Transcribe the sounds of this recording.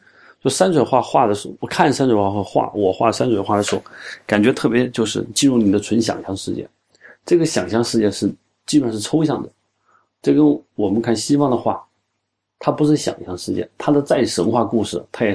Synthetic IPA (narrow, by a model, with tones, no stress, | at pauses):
t͡ɕo˥˧˩sa˥nt͡sʰwə˨˩xwa˥˧xwa˥˩d̪ə˩ʂ̩˧˥wɔ˨˩kʰa˥˩nsa˥nʈ͡ʂʰwxwa˥˩˥xa˥˩xwa̰˥˩wɔ˨˩xwa˥˩ə˩sa˥nt͡sʰwɪxwa˥˩ə˩ʂɻ̩˧˥xo˥˩ka˨˩nt͡ɕɥɛ˧˥t̪ʰɤ˥˩pjɛ˧˥t͡ɕjo˥˧ʊʂɻ̩˥˩t͡ɕi˥˧ɻu˥˩ni˨˩d̪ə˦ʈ͡ʂʰə˧˥nɕjɑ̰˨˩ŋɕjɑ˥ŋʂɻ̩˥˧t͡ɕjɛ̰˥˩ | ʈ͡ʂɤ˥˩ɡə˩ɕjɑ˨˩ŋɕjɑ˥˧ŋʂɻ̩˥˧t͡ɕjɛ˥˧ʂɻ̩˥˩ | t͡ɕi˥pə˨˩nʂɻ̩˥˩ʈ͡ʂʰo˥ʊɕjɑ˥˩ŋd̪ə˩ | ʈ͡ʂɤ˥˩kə˥nwɔ˨˩mə˦nkʰa˥˩nɕi˥fɑ˥ŋd̪ə˨xwa̰˥˩ | t̪ʰa˥pu˧˥ʂ̬ɻ̩˥˩ɕjɑ̰˨˩ŋɕjɑ˥˧ŋʂɻ̩˥˧t͡ɕjɛ̰˥˩t̪ʰa˥d̪ə˧t͡sa˥˩ɪ˩ʂə˧˥ŋxwa˥˧ku˥˧ʂɻ̩˥˩t̪ʰa˥jɛ˨˩